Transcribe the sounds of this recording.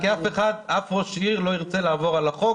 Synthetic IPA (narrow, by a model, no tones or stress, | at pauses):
kiafeχad̪afʁoʃiʁloiʁt͡selaːvoʁalaχo